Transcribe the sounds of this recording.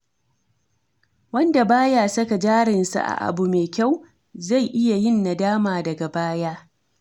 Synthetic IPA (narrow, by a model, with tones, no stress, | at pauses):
wɐ˦nda˨baː˦ja˨sɐ˦ka˨d͡ʒaː˦ɽɪ˨nsa̰˨ʔa̰˨ʔa̰˨bu˨meː˨kʲa˦˨w | za˦˨jʔɪ˦ja˨jɪ˦nːa˨daː˦maː˨dɐ˨ɡa˨baː˦jaː˦